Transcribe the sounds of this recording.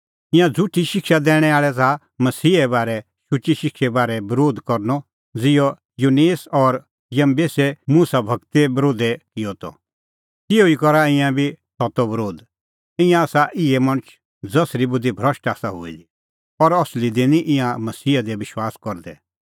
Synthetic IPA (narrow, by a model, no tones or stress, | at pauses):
ɪ̃jãd͡zʱʊʈʰiʃɪkʃad̪ɛːɽ̃ɛ̃aːɭɛt͡sa | mɐsiːɛbaːɾɛ | ʃʊt͡ʃiʃɪkʃɛbaːɾɛbɐɾoːd̪kɔɾnɔ | d͡zɪjɔ | juneːsɔɾ | jɐmbeːsɛmuːsabʱɐkt̪ebɾoːd̪ɛkɪjɔt̪ɔ̰ | tɪoikɔɾaɪ̃jãbʱisɔt̪ɔbɐɾoːd̪ | ɪ̃jãaːsaʔɪɛmɐ̃ɽ̃ʊ̃t͡ʃ | d͡zɐsɾibʊd̪ibʱɾɐʃʈaːsaɦʊ̰ḭli | ɔɾɔslid̪ɪniʔɪ̃jãmɐsiːad̪ɛʋɪʃwaːskɔɾd̪ɛ